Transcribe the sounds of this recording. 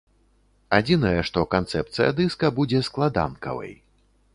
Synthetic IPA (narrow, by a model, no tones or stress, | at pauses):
ad͡zʲinɐjɛʂt̪ɔkant̪sɛ̰p̚t̪sɨjɐ̰d̪ɨskɐbud͡zʲɛsklˠad̪a̰nkɐ̰vɐ̰j